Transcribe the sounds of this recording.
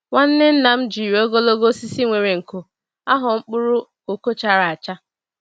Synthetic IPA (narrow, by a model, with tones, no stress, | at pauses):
wa˦n̩˦nɪ˦n̩˦na˨m̩˦d͡ʒi˨ɾo˦ɡo˦lo˦ɡo˦si˦si˦ŋʷe˨ɾe˨ŋ̩˨ko˨ | a˦ɦʊ˨ŋ͡m̩˦k͡pʊ˦ɾʊ˦ | o˨ko˦t͡ʃa˨ɾa˨a˨t͡ʃa˦